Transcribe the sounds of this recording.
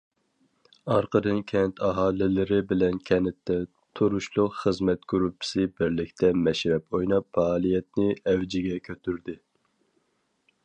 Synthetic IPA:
ɑɾqʰəd̪ɨnkʲʰɛnt̪ʰɑɦɑːlˠɪlɪɾɪbɪlɛnkʲʰɛnɪt̪ːɛ | t̪ʰuɾuʃlˠʊqχəzmɛt̪̚ɡ̥yɾupʰːɪ̥sɨbɪɾlɪkʲt̪ʰɛmɛʃɾɛpojnɑpfɑːlˠijɛt̪̚nɪɛwd͡ʒɪɡʲɛkʲʰøt̪yɾd̪ɪ

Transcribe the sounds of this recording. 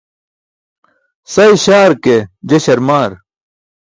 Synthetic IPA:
sɐjɕaːɾked͡ʑeɕɐɾmaːɾ

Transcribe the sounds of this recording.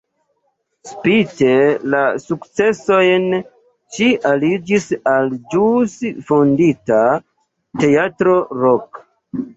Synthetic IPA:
spite̞lasukt͡se̞so̞jn | ʃiʔalid͡ʒisald͡ʒusfondita | te̞atɾo̞ɾok

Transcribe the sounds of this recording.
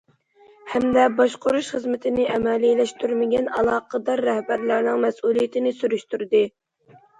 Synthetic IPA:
hɛmd̪ɛbɑʃqoɾuʃχəzmɪt̪ʰɪnɪʔɛmɛlilɛʃt̪ʰyɾmɪɡʲɛnɑlˠɑːqʰəd̪ɑɾːɛhbæɾlæɾnɪŋmɛsulˠijɪt̪ʰɪnɪsyɾyʃt̪yɾd̪ɨ

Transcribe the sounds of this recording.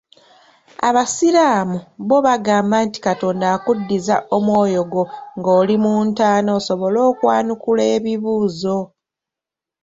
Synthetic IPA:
a̰βasilaːmuβo̞βaɡaːmbaːnti̥kato̞ːndaːkudːizaʔo̞mwoːjo̞ɡo̞ŋɡo̞ːlimuːntaːnoːso̞βo̞lo̞ːkwaːnukule̞ːβiβuːzo̞

